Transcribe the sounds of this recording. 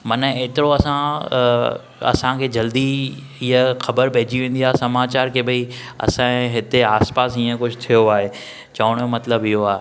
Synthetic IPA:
mɐneːt̪ɪɾoɐsã | ɐ̰sãkʰeːd͡ʑɐld̪i | iɦəxɐbəɾbʱeɦːd͡ʑiʋẽːn̆d̪iaːsɐmaːt͡ɕaːɾkʰebɐi | ɐ̰sãɦɪt̪eaːspaːs̬iːə̃kʊd͡ʑʰʊt̪ʰijoaːɦe | t͡ɕɐʋəɽ̃mɐt̪ləbɪɦoaːɦe

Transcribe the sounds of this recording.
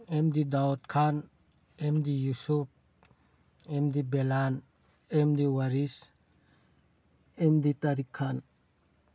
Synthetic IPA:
emdidaɔt̚kʰan | emdijusup̚ | emd̪ibɛlan | emd̪iwaɾis | emditaɾikʰːan

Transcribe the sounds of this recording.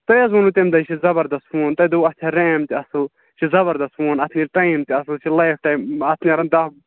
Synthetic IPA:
t̪ɐjɐzunut̪emd̪ɐt͡ʃʰizɐbɐɾd̪ɐsfuːnt̪ɐd̪uɐt͡ʃʲʰaɾeːmt̪iɐsɨl | t͡ʃʰizɐbɐɾd̪ɐsfuːnɐt̪ʰniɾʈajmt̪iɐsɨlt͡ʃʰilɐjfʈajmɐt̪ʰnʲiɾɐnd̪ɐ

